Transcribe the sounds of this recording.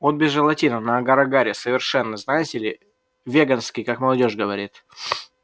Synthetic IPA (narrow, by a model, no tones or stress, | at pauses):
vot̪̚bʲɪzːɨlˠɐtʲinənəɡɐɾɐɡaɾʲɪsəvʲɪrʂɛnːəznajɪtʲɪlʲɪ | vʲeɡanskʲɪjkakməlˠɐdʲo̞ʐɡəvɐɾʲit̪